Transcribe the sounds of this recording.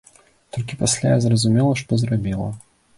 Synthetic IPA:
t̪olʲkʲɪpɐsʲlʲajazɾəzʊmʲelˠəʂt̪ozɾɐbʲelˠə̰

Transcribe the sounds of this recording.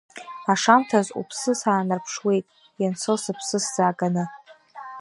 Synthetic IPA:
aʂamtʰazṵpʰsɨsaːnɨrpʰʂwe̞jtʼ | jant͡sʰɨlsɨpʰsɨsz̥aːɡanɨ

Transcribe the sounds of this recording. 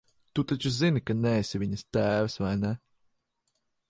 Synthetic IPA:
t̪ut̪at͡ʃuzinikanɛːsʲivʲiɲɐst̪æːvɨsvajnɛ

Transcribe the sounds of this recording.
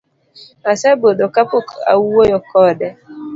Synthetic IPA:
asɛbodokapoka̰wuwojɔkɔːdɛ

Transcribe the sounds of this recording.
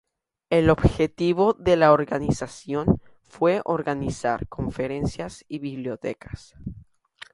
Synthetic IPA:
elo̞bxe̞t̪iβo̞ðe̞laoɾɣanisasjo̞n | fwe̞ʔoɾɣanisa̰ɾko̞ɱfe̞ɾe̞nsjasiβiβljo̞t̪e̞̰kḁs

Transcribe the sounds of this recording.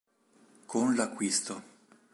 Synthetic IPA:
kʰonlakːwist̪o

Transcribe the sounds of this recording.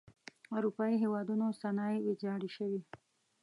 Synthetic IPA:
aɾupɑiɦewɑd̪unosanɑiwid͡ʒɑɽiʃəwi

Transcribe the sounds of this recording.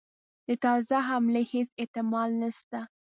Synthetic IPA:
d̪̥ət̪ɑzaɦamleheset̪ɪmɑlnəʃt̪a

